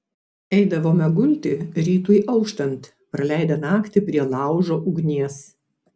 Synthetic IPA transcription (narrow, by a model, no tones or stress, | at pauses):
ɛɪd̪ɐʋoːmʲɛɡʊlʲt̪ʲɪɾʲiːt̪uːiʔɐʊkʃt̪ɐnt̪ | pɾɐlʲæˑɪd̪ɐnɑːkt̪ʲɪpʲɾʲiɛlˠɑˑʊʒoːʔʊɡnʲiɛs